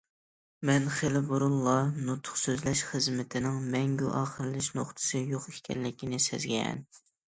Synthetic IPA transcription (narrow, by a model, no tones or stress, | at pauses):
mɛnχelɪboɾulˠːɑnut̪ʰːʊ̥χsøzlɛʃχəzmɪt̪ʰɪnɪŋmɛŋɡʲyʔɑːχəɾɨlɪʃnoχt̪ʰɨ̥sɨjoqekʲʰɛ̰nlɪkʲinɪsɛ̰zɡʲɛɛ̰n